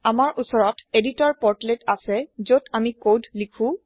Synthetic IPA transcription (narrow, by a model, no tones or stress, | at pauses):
amaɹʔusɔɹɔteditɔɹpɔɹtletasɛzotʰamikodʱlikʰũ